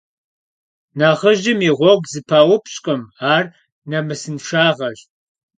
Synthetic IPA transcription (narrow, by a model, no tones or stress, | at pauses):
naːʁəʒɪmiʁʷɔɡzɨpʰaːwʊpʰɕʼqʼɐmaːr | nɐmɨsɨnʂaːʁɐʒ